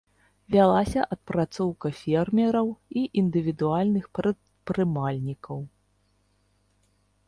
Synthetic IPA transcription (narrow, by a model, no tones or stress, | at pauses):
vʲalˠasʲɐʔɐt̪̚pɾat̪sɔwkɐfʲɛrmʲɛɾɐwiʔind̪ɨvʲid̪ualʲnɨxpɾɨt̪ | pɾɨmalʲnʲikɐw